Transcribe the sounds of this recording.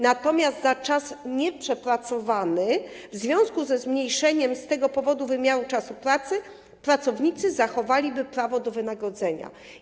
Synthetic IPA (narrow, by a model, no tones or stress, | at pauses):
nat̪ɔmʲast̪zat͡ʂasɲɛpʂɛpɾat̪sɔvanɘ | vzvʲjɔ̃w̃skuzɛzmɲejʂɛɲɛmst̪ɛɡɔpɔvɔd̪uvɘmʲjaɾut͡ʂasupɾat̪sɘ | pɾat̪sɔvɲit̪sɘzaxɔvalʲibɘpɾavɔd̪ɔvɘnaɡɾɔd̪zɛɲa̰